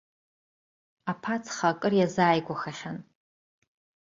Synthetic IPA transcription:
apʰat͡sʰʼχakʼɨrjazaːjɡʷaχaχʲan

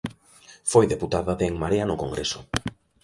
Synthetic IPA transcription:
fojðeput̪aðaðeeŋmaɾeanʊkoŋɡɾesʊ̥

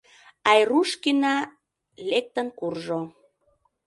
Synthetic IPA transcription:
ɑjruʃkinɑ | lek̚t̪ənkurʒo

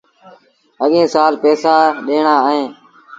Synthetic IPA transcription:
ɦəɠẽːsaːlpɛːsãːɗeːɳaːəɦẽː

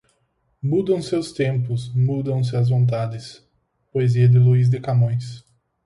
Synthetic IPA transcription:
mud̪ɐ̃w̃sewst̪ẽmpʊsmud̪ɐ̃w̃s̬ɪɐzvõnt̪̬ad̪ɪs | poeziɐd̪ɪluizd̪ɪkamõj̃s

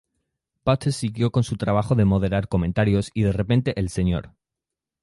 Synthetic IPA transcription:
pat̪ʰesiɣjo̞ko̞nsut̪ɾaβ̞axo̞ðe̞mo̞ðe̞ɾaɾko̞mẽ̞nt̪aɾjo̞siðe̞re̞pe̞nt̪e̞ʔelse̞ɲo̞̰ɾ

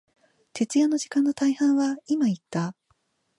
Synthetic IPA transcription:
t̪e̞t͡sɨjano̞ʑikãnːo̞t̪aihãɰ̃βaimait̪ːa

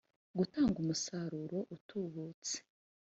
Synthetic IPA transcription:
ɡutaːŋɡumusaɾuɾo̞ʔutʰuβuːt͡se̥

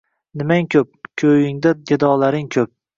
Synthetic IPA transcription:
nɪmaŋkʲʰɵp̚kʲʰɵjɪŋd̪aɡ̪ed̪ɒːlaɾɪŋkʲʰɵp̚

